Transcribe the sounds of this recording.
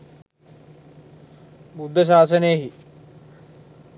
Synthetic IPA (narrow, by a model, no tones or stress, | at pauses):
bud̪ʱːɐʃ̬aːsɐnejəɦi